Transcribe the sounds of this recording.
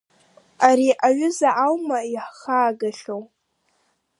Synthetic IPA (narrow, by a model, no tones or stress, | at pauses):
aɾiʔaɥʏzaʕawmaiħχaːɡaɬow